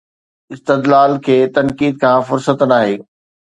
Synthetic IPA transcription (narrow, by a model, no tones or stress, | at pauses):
ɪst̪ɪd̪laːlkʰeːt̪ɐnkiːd̪̚kʰãːfʊɾsət̪naːɦeː